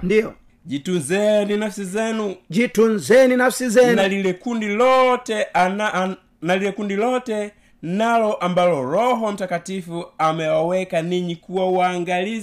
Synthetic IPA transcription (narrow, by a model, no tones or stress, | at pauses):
ndiɔ̰ | d͡ʒitunzɛninafsizɛnud͡ʒitunzɛninafsizɛnalilɛkundilɔtɛ | nalilɛkundilɔtɛ | nalɔʔambalɔɾɔɦɔm̩takatifuamɛwawɛkaniɲikuwawaːŋɡaliza